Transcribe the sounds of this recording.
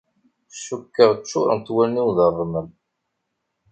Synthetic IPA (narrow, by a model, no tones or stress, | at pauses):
ʃukːəʁt͡ʃːʊ̰ɾˤə̰nt̪ːwælniwðərˤːməl